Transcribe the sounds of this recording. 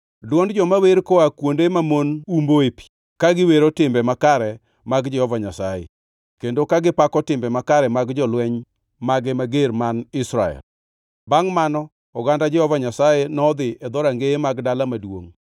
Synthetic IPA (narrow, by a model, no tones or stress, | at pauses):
dwɔndd͡ʒɔmaweɾkɔakwondemamonumboepi̥ | kaɡɪweɾotɪmbɛmakaɾɛ | maɡd͡ʒɛhɔvaɲasajḛ | kendokaɡɪpakɔtɪmbɛmakaɾɛmaɡd͡ʒɔlwɛɲ | maɡɛmaɡeɾmanɪsɾa̰ɛ̰l | baŋmanɔ | ɔɡandad͡ʒɛhɔvaɲasajenɔːd̪ɪʔɛd̪ɔɾaŋɡeemaɡdalamadwo̰ŋ